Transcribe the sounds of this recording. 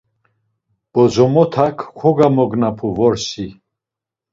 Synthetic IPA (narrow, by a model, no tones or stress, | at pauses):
b̥ɔzɔmɔt̪ʰakʰkʰɔɡamɔɡnapʰuvɔɾsi